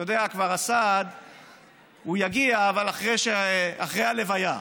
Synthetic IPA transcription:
jod̪eakvaʁasad̪ | ujaɡiaːvalaχʁeʃeaχʁejale̞vaja

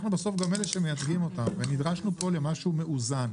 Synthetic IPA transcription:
χnubeso̞fɡameleʃemejat͡sɡimo̞t̪amvenid̪ʁaʃnupo̞le̞maʃume̞ʔuzan

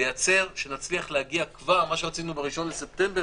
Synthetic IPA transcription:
ejat͡se̞ʁʃe̞nat͡sliaχlehaɡiakvaʁmaʃeʁat͡sinubeʁiʃo̞nlese̞pte̞mbe

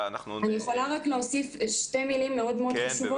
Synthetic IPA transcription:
anijeχo̞laʁakleosifʃte̞milimːe̞o̞d̪meod̪χaʃuvo

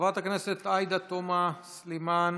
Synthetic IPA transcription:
vat̪akneset̪ajd̪at̪omasliman

